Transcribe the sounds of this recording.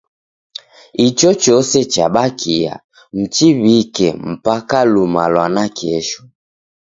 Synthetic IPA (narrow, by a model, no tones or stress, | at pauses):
it͡ʃɔt͡ʃɔsɛt͡ʃaɓakʰija̰ | m̩t͡ʃiβikɛm̩pakalumalwanakɛʃɔ̥